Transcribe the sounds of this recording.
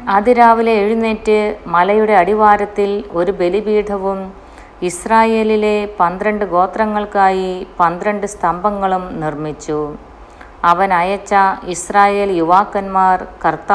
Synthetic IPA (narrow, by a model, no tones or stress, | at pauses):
ɐd̪iɾaːʋileːɻunːetːɨmɐlɐjuɽe̞ɐɽiʋaːɾɐt̪ːilo̞ɾube̞libiːɖʰʱɐʋum | israːje̞ːlile̞pɐnd̪ɾɐɳɖɨɡo̞ːt̪rɐŋːɐɭkaːjipɐnd̪ɾɐɳɖɨst̪ʰɐmbʱɐŋːɐɭumnirmit͡ɕːu | ɐʋɐnɐjɐt͡ɕːɐisraːje̞ːljuʋaːkːɐnmaːrkɐrt̪ːaː